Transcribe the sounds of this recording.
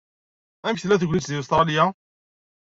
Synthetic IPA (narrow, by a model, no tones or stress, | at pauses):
æmçθlæθəɡʷlit̪ðiust̪ɾˤɑlija